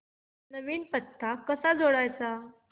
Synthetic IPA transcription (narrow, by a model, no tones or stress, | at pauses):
nəʋiːnpət̪ʰːakəsad͡zʱoɽajt͡sa